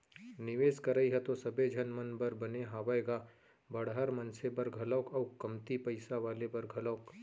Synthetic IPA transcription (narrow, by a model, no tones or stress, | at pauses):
nɪʋeːskɐɾəiɦɛt̪osɐbed͡ʒʱɐnmɐnbɐɾbɐneɦaːʋaeːɡaː | bɐɽɦaːɾmɐnsebɐɾɡʱɐlɔːkɐwkɐmt̪ipɐɪsaʋaːlebɐɾɡʱɐləːk